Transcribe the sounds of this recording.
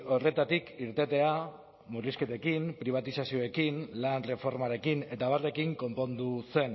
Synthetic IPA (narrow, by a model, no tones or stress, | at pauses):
o̞re̞t̪at̪ikiɾt̪e̞t̪e̞a | muriske̞t̪ekimpɾiβ̞at̪isasio̞e̞kinlanre̞fo̞ɾmaɾe̞kine̞t̪aβare̞kiŋko̞mpo̞nd̪use̞n